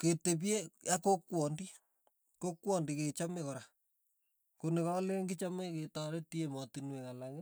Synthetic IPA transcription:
ketep̬iejakokwɔndi | kokwɔndiket͡ʃamekɔɾa | konɪkɔleŋɡɪt͡ʃameketaɾetiematinwekalaŋɪ

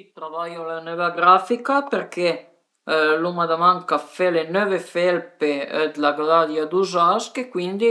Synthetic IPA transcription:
it̪ɾavajolanøvaɡɾafikapeɾke | lumad̪amaŋkafɛlenøvefelped̪laɡalad̪jad̪uzaskekwind̪i

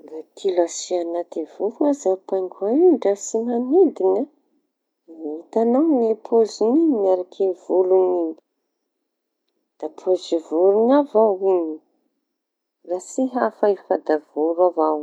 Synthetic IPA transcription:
ɾat̪ʰilasianat̪ivuɾuazapaŋɡʰuauɳɖ͡ʐasinanid̪ina | it̪anawepʰoziniɲnaɾakʰevuluniɲi | d̪̥apʰozivuɾuŋavawini | rasiɦafaifad̪av̥uɾavaw

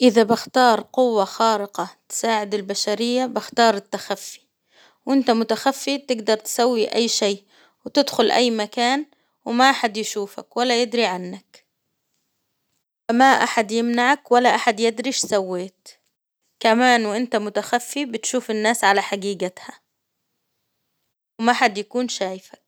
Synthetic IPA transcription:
ʔɪðabɪxt̪ɑːɾˤqʊwːaxɑːɾɪqɑt̪ɪ̥saːʕɪd̪ɪlbaʃaɾɪjːabɪxt̪ɑːɾˤɪt̪ːaxafːi̥ | wʔɪnt̪amʊt̪axafːit̪ɪɡd̪ɑɾˤt̪ɪ̥sawːiʔajːʃeːʔ | wɪt̪ɪd̪xʊlʔa̰jːmakaːn | wɪmaʔaħad̪jɪʃuːfa̰kwalːajɪd̪ɾiʕanːak | famaʔaħad̪jɪmnaʕakwalːaʔaħad̪jɪd̪ɾiʃsawːeːt̪ | kamaːnwʔɪnt̪amʊt̪axafːibɪt̪ʃuːfɪnːaːsʕalaħaɡiːɡat̪ha | wɪmaħad̪jakuːnʃaːjɪfḁk̚

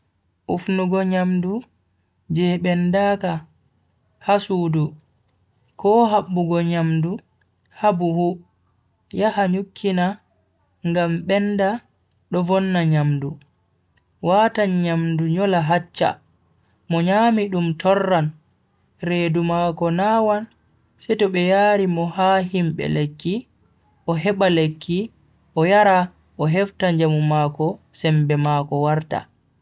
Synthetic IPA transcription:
ʔufnuɡɔɲamdu | d͡ʒɛɓɛndaka | hasuːdu | kʰɔɦaɓːuɡɔɲamdu | habuhu | jahaɲukʰːina | ŋɡamɓɛnda | ɗɔvɔnːaɲamdu | waːtaɲɲamduɲɔlaɦat͡ʃːa̰ | mɔɲaːmiɗumtɔrːan | ɾeːdumaːkɔnaːwan | sɛtɔɓɛjaːɾimɔhaɦimɓɛ̰lekʰːi | ʔɔɦɛɓalekʰːi | ʔɔjaɾa | ʔɔɦɛftaɲd͡ʒamumakɔsɛmbɛmaːkɔwaɾta̰

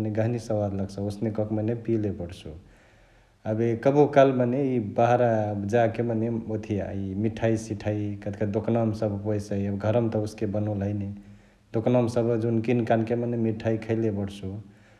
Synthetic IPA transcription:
neɡaɦnisəwad̪ləɡsəosnekɔkmenepilepəɽt͡ʃʰu | abekəbukalmaneibaɦɾabd͡ʒakemaneot̪ʰiaimiʈʰaisiʈʰaikət̪kəd̪oknɔmsəbpəjsəjəbɡʱəɾəmt̪ɔuskebənolɦəjne | d̪oknɔmsəbd͡ʒunkinkankemanemiʈʰːaikʰəɪlebəɽt͡ʃʰu

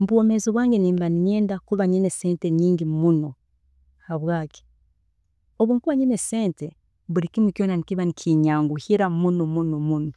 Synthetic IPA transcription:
m̩βwomezoβwaːŋɡeniːmbaniɲeːndakuβaɲineseːnteɲiːŋɟimuno̞ | haβwaːki̥ | oβuːŋkuβaɲineseːnte | βuɾikimikjoːnanikiβanikʰiɲaːŋɡuhiɾamunomunomuno

